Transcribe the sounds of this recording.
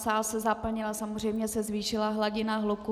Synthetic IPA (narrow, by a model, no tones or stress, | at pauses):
saːlsɛzapl̩ɲɪlasamor̝ɛjmɲɛsɛzviːʃɪlaɦlaɟɪnaɦluku